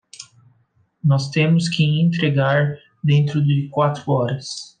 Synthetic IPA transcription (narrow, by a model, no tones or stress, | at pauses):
nɔst̪ẽmʊskɪẽnt̪ɾeɡaɾ | d̪ẽnt̪ɾʊd̪ɪkwat̪ɾʊɔɾɐs